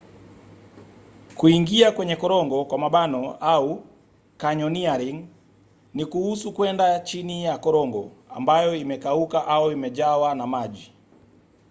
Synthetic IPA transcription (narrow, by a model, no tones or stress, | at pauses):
kuiŋɡiakwɛɲɛkɔɾɔŋɡɔkwamaɓanɔau | kaɲɔniaɾiŋ | nikuhusukwɛndat͡ʃinijakɔɾɔŋɡɔ̰a̰mbajɔimɛkaukaʔaɔimɛʄawanamaʄi